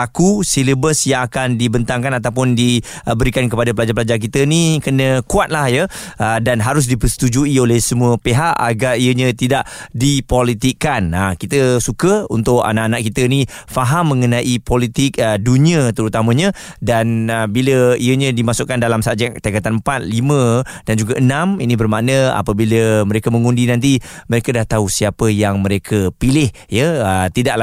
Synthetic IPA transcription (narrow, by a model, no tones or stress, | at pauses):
akusiləbəsjaŋakandibənt̪aŋkanat̪awp̬ʊndi | bəɾikankəpadapəlad͡ʒapəlad͡ʒark̬it̪ənikənə̃kuat̪̚lahjəədanɦaɾʊs̬dipəst̪ud͡ʒuiolɛhsəmuəpeɦaʔa̰ɡaɾijəɲə̃t̪idaʔdipolit̪ikːanəkit̪əsukəṵnt̪ʊʔa̰naʔanaʔkit̪ənifaɦamːə̃ŋənãʔipolit̪ɪk̚əduniət̪əɾut̪amə̃ɲə̃ | danəbiləiəɲə̃dimasʊʔkandalamsaʔd͡ʒakt̪akat̪anmpat̪̚limə̃ | d̥and͡ʒuɡaʔənãminĩbərmaʔnəa̰pəbiləməɾekəməŋundinãnt̪̬iməɾekədaht̪ausiapəjaŋmə̃ɾekʰəpilɪhjəət̪idaʔla